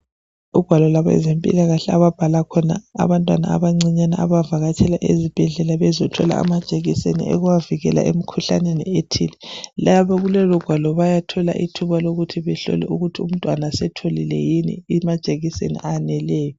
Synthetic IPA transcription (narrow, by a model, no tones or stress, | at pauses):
uɡ̥ʱwalɔlaβɔɛ̰zempʼḭlaɣaɬɛaβab̥ʱalakʰɔna̰ːβantʼwana̰a̰βaŋ͡ǀiɲana̰ʔa̰βavaɣat͡ʃʰɛlaʔezib̥ʱɛɮɛlaβɛzɔtʰɔla̰a̰mad̥ʒ̥ʱʼeɣisenḭʔɛ̰ɣuwaviɣɛla̰ʔemikʰuɬanenḭetʰḭlɛlaβaɣulɛlɔɡ̥ʱwalɔβajatʰɔla̰ʔitʰuβaloɣutʰiβɛɬɔ̰lɛ̰ʔuɣutʰium̩tʼwanasɛtʰolilɛ̰jinḭːmad̥ʒ̥ʱʼeɣisḛnḭʔanɛlɛːjɔ